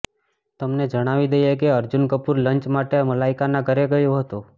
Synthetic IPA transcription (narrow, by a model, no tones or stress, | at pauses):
t̪əmned͡ʒəɽ̃aʋid̪əjekeəɾd͡ʒunkəpuɾləɲt͡ʃmaʈeməlaikanaɡʱəɾeɡəjoɦət̪o